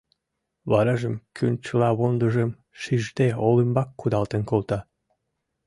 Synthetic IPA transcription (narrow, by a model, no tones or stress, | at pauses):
βɑɾɑʒə̆mkʰynt͡ɕəlɑβond̪ə̆ʒə̆m | ʃiʒd̪eolimbɑkːud̪ɑlˠt̪ə̆nkolt̪ɑ